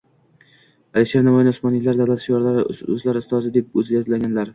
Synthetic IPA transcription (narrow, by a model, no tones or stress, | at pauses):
aliʃeɾnamɒjɪnsmɒnɪlaɾd̪awlat̪ʃjɒɾlaɾɵ̰zlaɾɪst̪ʰɒzɪd̪e̞p̚ɵzɡʲat̪laɡʲanlaɾ